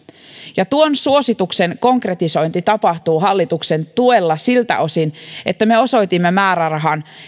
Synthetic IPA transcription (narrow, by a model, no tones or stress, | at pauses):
jɑt̪uonsuo̞sit̪ukse̞ŋko̞ŋkre̞t̪iso̞jnt̪it̪ɑpɑht̪uːɦɑlːit̪ukse̞nt̪uelːɑsilt̪æ̰ʔo̞sine̞t̪ːæme̞o̞so̞jt̪imːemæːɾærɑɦɑn